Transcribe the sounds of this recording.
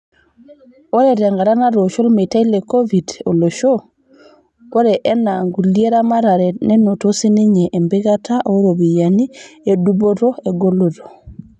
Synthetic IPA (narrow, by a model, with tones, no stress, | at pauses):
o˦ɾɛ˨ɾɛ˨ŋɡa˨ɾa˦na˦ɾo˨ʃo˦lme˨ta˦i˦le˨ko˦vi˨do˨lo˨ʃo˦ | o˦ɾɛ˨ʔɛ˦na˨ŋɡu˨lje˦ɾa˦ma˦ɾa˨ɾɛ˨nɛ˦no˨to˦si˦ne˦ɲe˨ʔːmbɪ˦ɣa˦tʰa˦ʔo˦ɾo˨βi˨ja˨ni˦e˨du˦bo˦ɾo˦e˨ɡo˦lo˨ɾo˨